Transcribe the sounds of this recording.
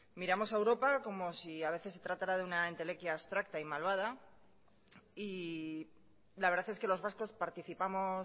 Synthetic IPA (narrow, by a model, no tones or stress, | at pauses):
miɾamo̞saewɾo̞pako̞mo̞siaβe̞θe̞sːe̞t̪ɾat̪aɾaðeunaent̪e̞le̞kjaːst̪ɾak̚t̪aimalβað̞a | i | laβe̞ɾðaθeske̞lo̞zβasko̞spaɾt̪iθipamo̞